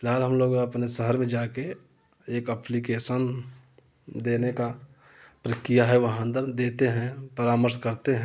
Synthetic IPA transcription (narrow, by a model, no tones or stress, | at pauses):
fɪlɦaːlɦəmloːɡɐpnesəɦəɾmẽd͡ʒaːke | eːkəplikeːʃən | d̪eːneka | pɾəkɾijaɦɛʋɐɦãnd̪əɾd̪eːt̪eɦɛ̃pəɾaːməɾskəɾt̪eɦɛ̃